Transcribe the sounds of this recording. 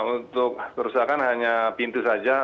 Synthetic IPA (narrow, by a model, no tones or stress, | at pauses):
unt̪ʊk̚kəɾusakanɦaɲapint̪usad͡ʒa